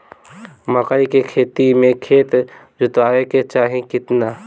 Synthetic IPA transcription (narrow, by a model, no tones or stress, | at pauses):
məkaikekʰeːt̪imẽkʰeːt̪ | d͡ʒʊt̪aːeket͡ʃaːɦẽkɪt̪na